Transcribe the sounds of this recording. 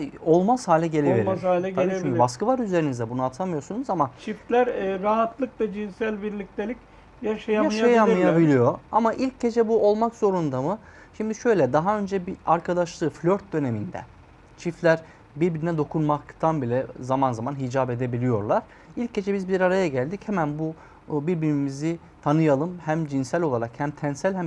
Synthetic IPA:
o̞lˠmaz̥haːlʲɛɟe̞lʲevieaːlʲɛynʲbaskɯvaɾyze̞ɾinizd̪ɛbunuat̪ʰamɯjo̞sunuzamat͡ʃʰift̪lʲæɾɾaɦat̪lˠɯkvɛd͡ʒinsælʲbiɾlʲic̚t̪ʰelʲic | jaʃajaaaajamɯjabilʲijo̞amaʔilʲcɟe̞d͡ʒɛbuo̞lˠmakz̥o̞ɾund̪amɯ | ʃimd̪iʃø̞jlʲɛd̪aɦaø̞nd͡ʒɛbiaɾkʰad̪aʃlˠɯːflʲøɾt̪̚d̪ø̞ne̞mind̪ɛ̰ | t͡ʃʰiflʲæɾ | biɾbiɾinɛd̪o̞kʰunmakt̪ʰanbilʲɛzamanzamanɦid͡ʒabe̞d̪e̞bilʲijo̞ɾlˠaɾ̥ | ilʲcːe̞d͡ʒɛbizbiɾaɾajaɟælʲd̪ichɛmænbu | biɾbiɾimizi | t̪ʰanɯjalˠɯmhæmd͡ʒinsælʲo̞lˠaɾakhæmt̪ʰænsælʲhæm

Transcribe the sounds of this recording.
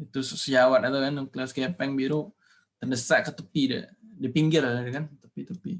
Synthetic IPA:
it̪ussəd͡ʒawat̪at̪akanŋklasɡɛpɛŋbiɾu | t̪ərdəsaʔkət̪əpidə̰dipiŋɡɪrdəkant̪əpit̪əpḭ

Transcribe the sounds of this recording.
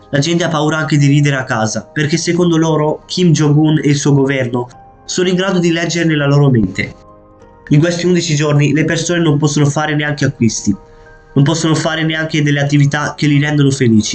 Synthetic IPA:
lad͡ʒɛnt̪eapːauːɾaaŋk̟ed̪iɾiːd̪eɾeakːaːzaperkesːekond̪oloːɾokʰimd͡ʒoɡuneilsuːoɡovɛrno | soːnoiŋɡɾaːd̪od̪ilɛd͡ʒːeɾenelaloːɾoment̪e | iŋkwest̪iund̪it͡ʃid͡ʒornilepersoːnenompɔsːonofaːɾeneaŋk̟eakːwist̪i | nompɔsːonofaːɾeneaŋk̟ed̪elːeat̪ːivit̪ak̟ːelːiɾɛnd̪onofeliːt͡ʃi̥

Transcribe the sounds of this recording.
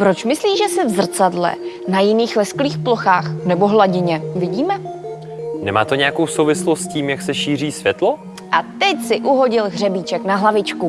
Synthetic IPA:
pɾo̞t͡ʃmɪsliːʒɛsɛvzr̩t͡sadlɛ̰ | najɪniːxlɛskliːxplo̞xaːxnɛbo̞ɦlaɟɪɲɛvɪɟiːmɛ | nɛma̰ːt̪oɲɛjakowsowvɪslost̪sciːmjaksɛʃiːr̝iːsvjɛt̪lo | ʔat̪ɛcsɪʔuɦo̞ɟɪlɣr̝ɛbit͡ʃɛknaɦlavɪt͡ʃku

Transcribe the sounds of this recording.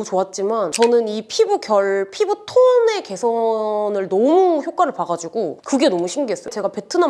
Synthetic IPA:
ut͡ɕoat̚t͡ɕ͈imant͡ɕʌnɯnipʰibuɡjʌɭpʰibutʰone̞ke̞sʰʌnɯɭnʌmuçjok͈waɾɯɭpaɡad͡ʑiɡokɯɡe̞nʌmuɕʰiŋɡiɦes͈ʌt͡ɕe̞ɡape̞tʰɯna

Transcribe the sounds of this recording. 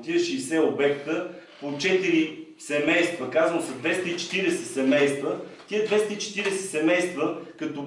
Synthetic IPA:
t̪ʲiəʃiːsɛobɛkt̪əpot͡ʃɛt̪iɾisɛmɛjst̪vəkazənʊsɐd̪vɛst̪əit͡ʃɛ̥t̪iɾɛsɛ̥sɛmɛjst̪vət̪iəd̪vɛst̪əit͡ʃɛ̥t̪iɾɛsɛ̥sɛmɛjst̪vəkɐt̪o

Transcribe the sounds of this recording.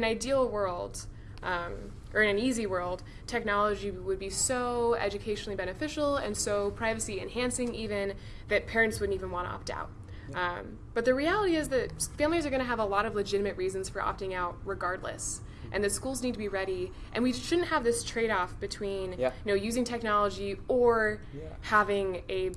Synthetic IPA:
ɨ̃naɪdil̩ˠwɜ˞lˠd̥ | ʔʌ̃m | ʔə˞ɨ̃nɨ̃niziwɜ˞lˠd̚ | tʰɛk̚nɑlˠəd͡ʒiwɨd̚bisoʊɛ̰d͡ʒɨkʰeɪʃnl̩ˠibɛñɨfɪʃl̩ˠɨ̰̃nsoʊpʰɹ̥aɪvɨsiɨ̰̃nhæ̃nsɪ̃ŋivɨ̃n | ðɨt̚pʰɛɹɨ̃ntswʊdn̩tivɨ̃n̩wɑ̃ɾ̃tə̰ɑ̰p̚da̰ʊt̚ | b̥ʌt̪̚ðɨɹiælˠəɾiɪzðɨt̚fæ̃mlizə˞ɡʌñɨːvəlɔɾʌvlɨd͡ʒɪɾɨmɨʔɹizɨ̃n̩z̥fə˞ʔɑ̰p̚tɪ̃ŋaʊt̚ɹɨɡɑɹdˡlə̰s | ʔɨ̃nðɨtskulˠznid̚tʰɨbiɹɛɾi | ʔɨ̃nwiʃʊdⁿn̩t̚həvðɪstʰɹ̥eɪɾɔfb̥ɨtʰw̥ĩnjɨnoʊjʉzɪ̃ŋtʰɛk̚nɑlˠəd͡ʒiə˞ | hævɪ̃ŋɨ

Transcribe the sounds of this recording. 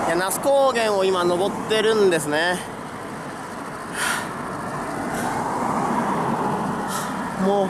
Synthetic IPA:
janasɨ̥koːɡẽ̞ɰ̃o̞imano̞bo̞t̪ːe̞ɾɯ̟̃nd̪e̞s̬ɨne | moː

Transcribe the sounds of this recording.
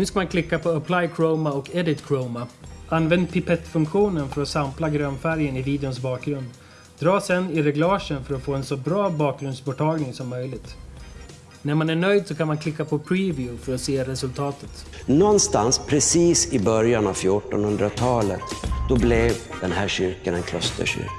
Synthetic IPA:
nʉ̟ːskamankʰlɪkːapʰɔapʰlajkʰɾoːmaɔkɛd̪ɪt̪kʰɾomaʔanːvɛnd̪̚pʰɪpɛt̪ːfɵŋkɧuːnənfœɾɔsamplaɡɾœːnfæɾjənɪviːd̪ɛʊnsbɑːk̚ɡɾɵnd̪ | d̪ɾɑːsɛnːɪɾɛɡlɑːʂənfœɾɔtfoːɛnsɔbɾɑːbɑːk̚ɡɾɵnd̪sbɔʈʰɑːɡnɪŋsɔmːœjlɪɡt̪ | næɾmanæɳœjd̪sɔkʰanmankʰlɪkːapʰɔpʰɾiːvjʉfœɾɔt̪seːɾɛsɵlt̪ʰɑːt̪ət̪ | nɔnst̪anspʰɾɛsiːsɪbœɾjanavfjuʈɔnhɵnd̪ɾat̪ʰɑːlət̪d̪ɔblɛvd̪̥ɛnɦæːɕʏɾkanɛnkʰlœst̪ə̰ɕʏ̰ɾk

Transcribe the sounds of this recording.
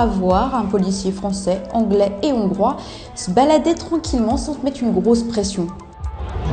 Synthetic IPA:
avwaʁɛ̃pɔlisjefχɑ̃sɛɑ̃ɡlɛeɔ̃ɡʁwa | səbalad̪et̪χɑ̃kʲʰilmɑ̃sɑ̃t̪mɛt̪χynɡʁospχesjɔ̃

